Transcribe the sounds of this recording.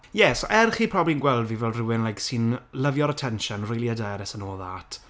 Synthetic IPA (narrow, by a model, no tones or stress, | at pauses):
jɛsoʔɛrχiːpʰr̥ɔblinɡwɛlˠdvivɛlˠrɪwɪnlajksɨnləvjɔɾətʰɛnʃənrɪjlˠiədaɾɛsənoːðatʰ